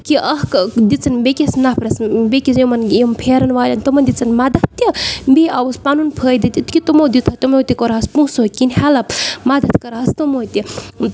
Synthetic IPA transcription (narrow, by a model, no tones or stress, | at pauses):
kiʔɐɦkd̪it͡sɐnbekʲisnapʰɾɐsbekisjomɐnjempʰeːɾɐnʋaːlʲɐnt̪omɐnʲd̪it͡sɐnmad̪ɐt̪ːɐbeawuspanunpʰəːjd̪it̪ʲit̪kʲit̪omowd̪it̪ʰat̪omowt̪ʲikoɾaːspũsokinʲhalɐpmad̪ɐt̪kɐɾaɦɐst̪omot̪i